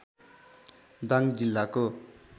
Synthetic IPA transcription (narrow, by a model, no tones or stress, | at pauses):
d̪aŋd͡ʑilːako